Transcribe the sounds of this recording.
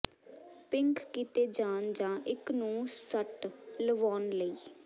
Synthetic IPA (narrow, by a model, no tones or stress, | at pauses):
pɪŋkʰkiːt̪eːd͡ʒãːnd͡ʒãːʔɪknũːsəʈləʋoːnləiː